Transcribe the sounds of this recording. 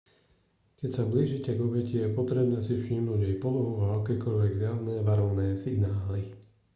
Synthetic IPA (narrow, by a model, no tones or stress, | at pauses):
kɛcsabliːʒicɛɡɔbɛcijɛpɔt̪ɾɛbnɛːsifʃiːmnuɟajpɔlɔɦuaakɛːkɔʎʋɛɡzjaʋnɛːʋaɾɔʋnɛːsiɡnaːli